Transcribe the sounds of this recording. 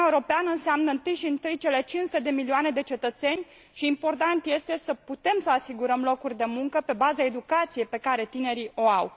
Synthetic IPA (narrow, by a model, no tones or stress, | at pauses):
aeuɾo̞peanəɨnseamnəɨnt̪ɨjʃiɨnt̪ɨjt͡ʃe̞le̞t͡ʃinsut̪e̞d̪emilioane̞d̪e̞t͡ʃe̞t̪ət̪se̞nʲ | ʃiːmpo̞rt̪ant̪je̞st̪e̞səput̪e̞msəasiɡuɾəmlo̞kurʲd̪e̞muŋkəpe̞bazae̞d̪ukat̪sije̞jpe̞kaɾe̞t̪ine̞ɾiʔo̞aw